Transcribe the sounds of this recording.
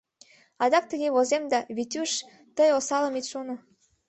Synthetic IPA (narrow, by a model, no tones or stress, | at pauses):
ɑd̪ɑk̚t̪əɣeβozemd̪ɑβit̪ʲyʃ | t̪əjosɑləmit̪ʃono